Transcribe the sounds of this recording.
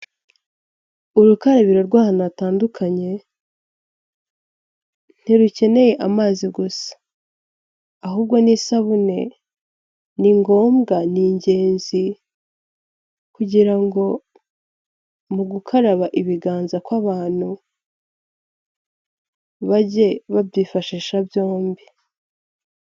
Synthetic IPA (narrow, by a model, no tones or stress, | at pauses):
uɾukaɾaβiɾo̞ɾɡwaːhanataːndukʰaɲe̞ | n̥iɾuce̞ne̞je̞ʔamaːziɡusḁ | aɦuːbɡo̞niːsaβune̞̰ | niŋɡo̞ːmɡaniːɲɟe̞ːnzi | kuɟiɾaŋɡo̞ | muɡukʰaɾaβaʔiβiɡaːnzakwaβaːn̥hu | βaɟe̞βabjiːfaʃiːʃabjo̞ːmbi